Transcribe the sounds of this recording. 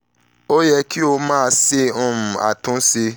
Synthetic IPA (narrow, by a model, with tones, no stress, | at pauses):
o˦jɛ˧ki˦o˧mãː˦˨˧se˧ɔ̃˧m̩̃˨a̰˨tũ˨˦si˧